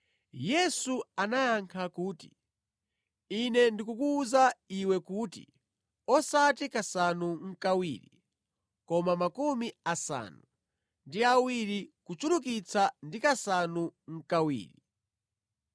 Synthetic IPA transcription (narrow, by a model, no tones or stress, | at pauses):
jɛsuanajaŋkʰakuːti̥ | inɛndikukuːzaiwɛkuːtḭ | ɔsatikasanuŋ̩kawḭɾḭ | kɔmamakumiasa̰nu | ndiawiɾikut͡ʃuluk̬it͡sʰandikasanuŋ̩kawḭːɾi